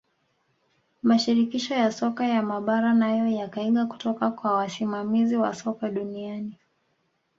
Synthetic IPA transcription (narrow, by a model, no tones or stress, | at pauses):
maʃiɾikiʃɔjasɔkajamaɓaɾanajɔjakaiɠaku̥tɔkakwawasimamiziwa̰sɔkaɗuniani